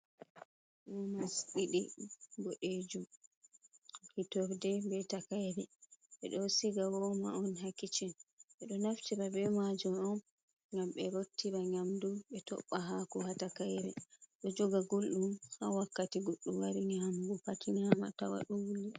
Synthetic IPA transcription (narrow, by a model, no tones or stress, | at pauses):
ɗumasɗiɗibɔɗed͡ʒum | hitɔɾdɛbɛtakajɾɛɓɛ̰ɗɔsiɡawɔma̰ɔnɦakːit͡ʃɛnɓɛɗɔnaftiɾabɛmad͡ʒumɔn | ŋɡamɓɛɾotːiɾaɲamduɓɛtɔ̰ɓːaɦakɔhatakajɾɛɗɔd͡ʒɔɡaɡolɗumhawakːatiɡoɗumwaɾinihambupatʰinihamata̰wa̰ɗɔwulːi